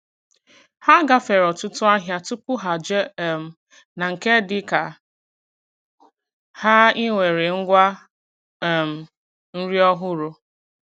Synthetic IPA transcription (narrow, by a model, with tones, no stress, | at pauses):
ha˦ɡa˦fe˨ɾɔ˨tʊ˦tʊ˦a˦ɦja˦tʊ˦pʊ˦ɦa˨d͡ʒe˦˨m̩˨ | na˨ŋ̩˨ke˦dɪ˦ka˨ | ha˦i˦ŋʷe˨ɾe˨ŋ̩˦ɡʷa˦˨ | m̩˨ | n̩˦ɾi˦ɔ˦ɦʊ˦ɾo˦